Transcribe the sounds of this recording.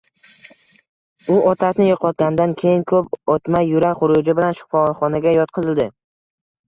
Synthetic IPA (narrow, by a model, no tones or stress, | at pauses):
ʊʔɒt̪ʰasɪnɪjoqʰɒt̪̚ɡʲand̪ankʲʰe̞jɪŋkʰɵpɒt̪majːʊɾakχʊɾʊd͡ʒɪbɪlanʃʊ̥fɒlχɒnaɡʲajɒt̪̚qʰɨzɪld̪ɪ